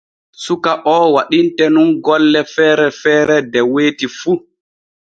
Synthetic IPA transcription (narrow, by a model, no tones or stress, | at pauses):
sukaʔɔːwaɗintɛnunɡɔlːɛfɛːɾɛfɛːɾɛdɛweːtifu